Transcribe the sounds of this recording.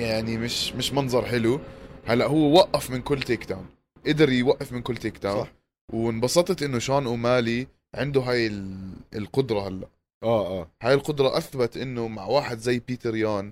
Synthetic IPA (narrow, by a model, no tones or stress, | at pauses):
jaʕnimɪʃmɪʃmɑnzˤɑɾˤħɪluhalːaʔɦʊwːwaʔːafmɪnkʊlːt̪eːkd̪aːn | ʔɪd̪ɪɾjwaʔːafmɪnkʊlːt̪eːkd̪aːħ | wɪnbɑsˤɑt̪ˤɑt̪ʔɪnːʊʃaːnʔumaːli | ʕɪnd̪ʊɦaːjɪlɪlqʊd̪ɾˤɑhalːaʔ | ʔaːʔaːhaːjɪlqʊd̪ɾˤɑʔaθbat̪ʔɪnːʊmaʕwaːħɪd̪zajːpiːt̪ɪɾjaːn